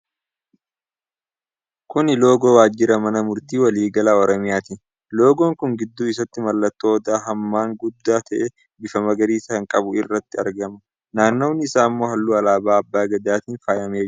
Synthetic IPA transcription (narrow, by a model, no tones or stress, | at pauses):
kʊnɪlo̞ːɡo̞ːwaːd͡ʒːɪɾɐmɐnɐmʊɾt̪iːwɐliːɡɐlaːɔɾɔmɪjaːt̪i | lo̞ːɡo̞ːŋkʊŋɡɪd̪ːuːɪs̬ɐt̪ːɪmɐlːɐt̪ːoːd̪aːɦɐmːaːŋɡʊd̪ːaːt̪ɐʔe | bɪfɐmɐɡɐɾiːsɐɐŋkʼɐbʊɪrːɐt̪ːɪɐɾɡɐmɐ | naːnːo̞ːnːɪɪsaːmːo̞ːɦɐlːuːɐlaːbaːɐbːaːɡɐd̪aːt̪iːnfaːjɐmeː